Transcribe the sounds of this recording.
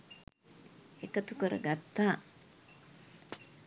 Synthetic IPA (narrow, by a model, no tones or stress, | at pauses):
ekət̪ukəɾə̰ɡat̪ːaː